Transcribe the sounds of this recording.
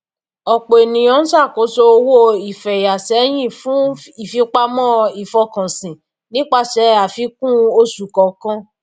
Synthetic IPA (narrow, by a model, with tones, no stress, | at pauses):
ɔ˨k͡pe˨e˨nĩ˨ɔ̃˨˦n̩˦sa˦˨ko˨˦so˧o˧wo˦˨i˨fɛ˨ja˨sɛ˨˦j̃ĩ˦˨fũ˦i˦˨fi˧˦k͡pa˧mɔ̃˦i˨fɔ˧˦kã˨sĩ˨ | nĩ˦k͡pa˧ʃɛ˧a˨fi˧˦kũ˦o˧su˨kɔ˨kã˦